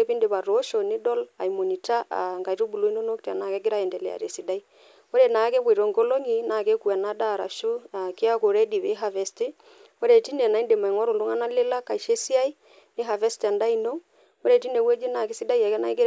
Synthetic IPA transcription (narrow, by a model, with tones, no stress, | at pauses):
e˦pi˦nde˨βa˨ɾo˨˦ʃo˨nɪ˦dɔ˦la̰˨i˨mo˨ɲi˨ta˦ʔa̰˨ŋɡa˨i˨to˦bu˨lo˦i˦no˦no˦kta̰˨na˨kɛ˦ɡɪ˦ɾa˦ɛ˨ndɛ˨lɛ̰˨a̰˨ɾe˨si˨da˦i˦ | o˦ɾɛ˨na˨˦ke˦kwe˨ɾo˨ŋɡo˦lo˦ŋi˦na˨ke˦ku˨a˨na˦da˦˨ɾa̰˨ʃu˦a˨ke˦a˦ko˨ɾɛ˦di˨βe˦ɦa˨vɛ˨ste˦ | o˦ɾɛ˨ti˦nɛ˨na˨˦i˦nde˨ma˨i˨ŋwɔ˦ɾo˨do˦ŋa˦na˦le˦la˦ka˨i˨ʃe˦si˦a˦i˦ | nɪ˦ɦa˨vɛ˦sta˨nda˦i˦no˦ŋ | o˦ɾɛ˨ti˦ne˨wɛ˦d͡ʒi˦na˨kɪ˦si˦da˦i˦a˨kɛ˦na˨i˦ɡɪ˦ɾ